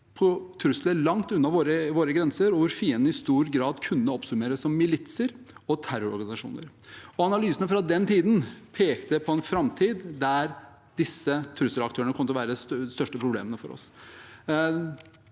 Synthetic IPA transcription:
pʰɔt̪ʰɾʉsləlɑŋt̪ʉnːɑʋoːɾəʋoːɾəɡɾɛnsəɾɔʋʊɾfiːənd̪əɪst̪uːɾɡɾɑːd̪kʰʉnːəɔpsʉmeːɾəssːɔmːɪlɪt̪səɾɔt̪ʰæɾʊɾɔ̰ɾɡɑnɪsɑʂṵːnə̰ɾ | ɔɑnɑlyːsənəfɾɑd̪ɛnt̪ʰiːd̪n̩pʰeːkt̪əpʰɔɛnfɾɑmt̪ʰiːd̪ːæɾ | d̪ɪsːət̪ʰɾʉsəlɑkt̪ʰøːɾəɳəkʰɔmːət̪ʋæːɾəd̪ɛsst̪œʂʈəpʰɾʊblḛːmənəfɔ̰ɾɔ̰s

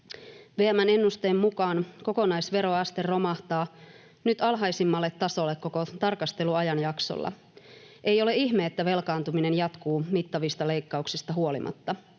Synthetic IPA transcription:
ʋeæmæne̞nːust̪eːmːukɑːnko̞ko̞nɑjsʋe̞ɾo̞ɑst̪e̞rːo̞mɑht̪ɑː | nyt̪ɑlɦɑjsimːɑlːe̞t̪ːɑso̞lːekkːo̞ko̞t̪ɑrkɑst̪e̞luɑjɑnjɑkso̰lːɑ̰ | e̞jo̞le̞içmeːt̪ːæʋe̞lkɑːnt̪umine̞njɑt̪kuːmit̪ːɑʋist̪ɑle̞jkːɑuksist̪ɑɦuo̞lḭmʔɑ̰t̪ːɑ

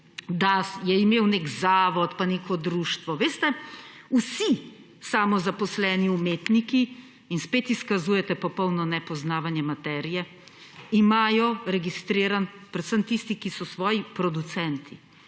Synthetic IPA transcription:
d̪ajɛimeːwneːkzaːʋɔt̪paneːkʰɔd̪ɾuːʃt̪ʋɔʋeːst̪ɛusi | saːmɔzapɔslɛːniumeːt̪niki | inspeːt̪iskazuːjɛt̪ɛpɔpɔwnɔnɛpɔznaːʋanjɛmat̪ɛːɾijɛ | imaːjɔɾɛɡist̪ɾeːɾanpɾɛt̪səmt̪ist̪ikisɔsʋɔːjipɾɔd̪ut̪sɛnt̪ʰi

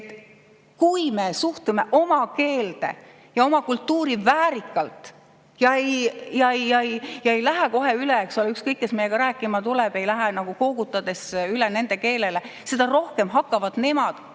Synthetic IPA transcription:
et̪ː | kujme̞suht̪ume̞ʔo̞mɑke̞ːld̪̥e̞̰ | jɑo̞mɑkult̪ːuːɾivæːɾikːˑɑlt̪ˑ | jɑejjɑejɑejjɑe̞jlæɦɛko̞ɦe̞yleeksuleykskɤjkːe̞smeje̞ɡ̥ɑɾæːkːˑimɑt̪uleb̥e̞jlæɦenɑɡ̥uko̞ːɡ̥ut̪ːˑɑd̪̥e̞syle̞ne̞nd̪̥e̞ke̞ːle̞le̞se̞d̪ɑro̞hke̞mɦɑkːˑɑvɑd̪̥ne̞mɑd̪̥

